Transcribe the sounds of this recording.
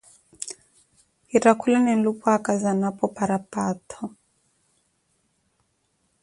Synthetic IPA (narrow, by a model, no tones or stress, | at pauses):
iɾakulanɛn̩lupɔakazanapɔpaɾapatʰɔ